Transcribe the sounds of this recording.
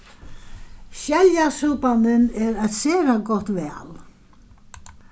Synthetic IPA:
ɕɛljasuːpand̪ɪnɛɾɛt̪seːɾaɡɔht̪vɛːl

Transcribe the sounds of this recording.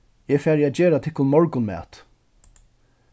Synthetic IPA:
jɛːfæːɾjɛt̪d͡ʑeːɾat̪ʰɪkːʊnmɔɹkʊnmɛ̰ːt̪

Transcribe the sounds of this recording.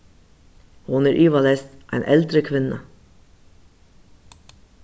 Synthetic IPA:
hʊneːɾʔyːʋɑlɛːst̪ʔæ̰ɪnʔɛld̪ɾəkʰʋɪnə̰

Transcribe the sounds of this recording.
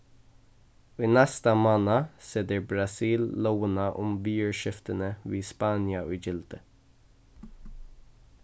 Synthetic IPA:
iːnɛst̪əmɑːnɑsɛd̪əbɹɑsiːllowənɑʔʊmbyːəɹʃɪft̪ənəʋiːspɑːnjɑʔʉːd͡ʒɪlt̪ə

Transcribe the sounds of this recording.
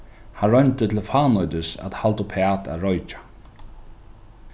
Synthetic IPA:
hanɾœnt̪ət̪ʰɪlfaːnɔjt̪ɪsæ̰t̪halt̪ʊpʰɛaːt̪ʰa̰ɾɔjt͡ʃḁ

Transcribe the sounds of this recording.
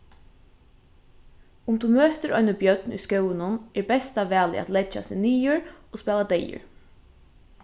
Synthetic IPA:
ʊmt̪umøːt̪ɪɾɔjnəbjœt̪nṵjskœwɪnʊnɛɹbɛst̪aʋæːlɪ̰ʔa̰t̪lɛt͡ʃːa̰sɪniːjʊɹospɛːlad̪ɛjʊ̰ɹ

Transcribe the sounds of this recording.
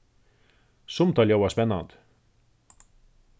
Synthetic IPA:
sʊmt̪ɑlʲjowɑspɛnːɑ̰nd̪̥

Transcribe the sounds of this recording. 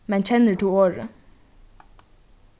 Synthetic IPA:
mɛnc͡çɛnəʈʰuːoːɹə

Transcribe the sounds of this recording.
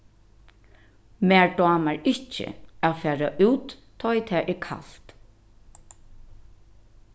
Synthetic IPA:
mæːɹɖɑːmaɹɪht͡ʃɪ̰aːfæːɹaʔʉːt̪ʰː | ɔjt̪ʰɛːʔɛɹkʰa̰lt̪

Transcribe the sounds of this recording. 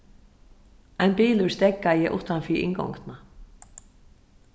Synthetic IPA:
ajnpiːlʏɹst̪ɛkːajɛʔṵːht̪anfiɾɪ̰ŋkɔ̰wŋkna

